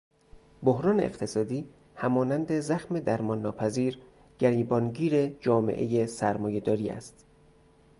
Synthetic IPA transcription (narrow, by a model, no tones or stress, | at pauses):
bohɾɒːneḛqt̪ʰe̞sɒːd̪iː | hæmɒːnænd̪e̞zæxme̞d̪æɾmɒːnːɒːpʰæziːɾ | ɟ̥æɾiːbɒːnɟiːɾe̞d͡ʒɒːmḛʔe̞jesæɾmɒːje̞d̪ɒːɾiːæ̰st̪